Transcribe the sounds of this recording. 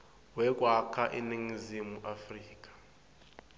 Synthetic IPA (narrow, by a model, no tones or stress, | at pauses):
wɛk̬ʼwakʰaʔiniŋizimuʔafriːk̬ʼḁ